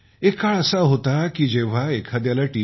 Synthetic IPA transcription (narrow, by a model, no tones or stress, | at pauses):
ekaɭəsaɦot̪akiːd͡ʑeʋ̤aekʰad̪jalaʈi